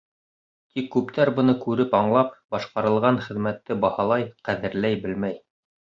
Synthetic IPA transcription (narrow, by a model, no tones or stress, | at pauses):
t̪ikːʉpt̪ʰæɾbɤ̆nɤkʉɾɘpɑɴlˠɑp̚bɑʃqɑɾɤ̆lˠʁɑɴχɘ̆ðmæt̪ːɘbɑhɑlˠɑjqæðɘ̆ɾlæjbɘlmæj